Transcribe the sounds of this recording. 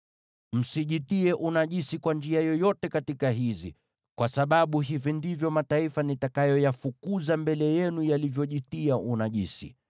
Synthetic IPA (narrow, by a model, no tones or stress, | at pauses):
m̩siʄitiɛʔunaʄisikwand͡ʒiajɔjɔtɛkatikaɦizḭ | kwasaɓaɓuɦivindivjɔmataifanitakajɔjafukuzambɛlɛjɛnujalivjɔʄitiaʔunaʄisḭ